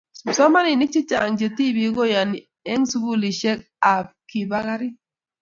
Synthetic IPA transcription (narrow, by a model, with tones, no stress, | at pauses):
sɔ˦ma˦ni˨ni˦k̚t͡ʃi˦t͡ʃa˨ŋd͡ʒe˨ti˦˨bi˨˦ɡo˦ja˨ni˨ | ɛ˦ŋsu˦ɡu˦˨li˨ʃɛ˦k̚ | a˨p̚ki˨ba˦ɡa˦ɾi˦